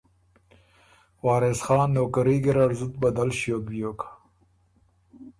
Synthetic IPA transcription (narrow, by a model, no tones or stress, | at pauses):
wɑːɾesxɑːnːoːkaɾiɡeɾaɾzut̪̚bad̪alʃjobijoːkḁ